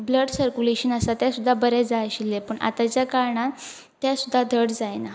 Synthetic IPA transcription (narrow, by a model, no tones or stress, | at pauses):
bləɖsəɾkuleɕənəsat̪jasud̪ʱːabəɾɛd͡zaɕilːepəɳʔa̰t̪at͡ɕjakaɾɳaː | jasud̪ʱːad̪ʱəɽd͡zajna